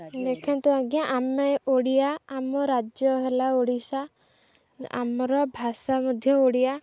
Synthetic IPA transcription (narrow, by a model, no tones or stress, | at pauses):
d̪ekʰɛnt̪uãɡijaʔamɛoɽijaːmɔɾad͡ʒjɔɦelaoɽisa | a̰mɔɾɔbʱasamɔd̪ʱjɔoɽija